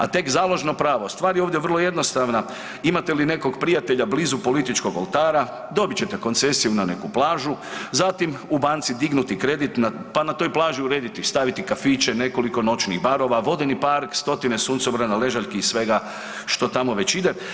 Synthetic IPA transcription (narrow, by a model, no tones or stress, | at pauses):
a̰t̪e̞kzaːlˠo̞ʒnopɾaːʋost̪ʋaːɾjeoʋvd̪jeʋərlˠo̞je̞d̪no̞st̪aʋna | imat̪e̞line̞ko̞ɡpɾijat̪e̞ʎablizupo̞lit̪it͡ʃko̞ɡolˠt̪aːɾa | d̪o̞bit͡ɕe̞t̪e̞ko̞nt̪se̞sijunane̞̰kuplˠaːʒuzat̪imubaːnt̪sid̪iɡnut̪ikɾed̪it̪napanat̪o̞jplˠaːʒiuɾe̞ːd̪it̪ist̪aʋit̪ikafit͡ʃe̞ne̞ko̞liko̞no̞t͡ʃnḭɣbaɾo̞ʋaʋo̞d̪enipaɾkst̪o̞t̪inesuːnt̪sobɾanale̞ʒaʎʲkiisʋe̞ɡa | ʃt̪o̞t̪amo̞ʋe̞t͡ɕid̪e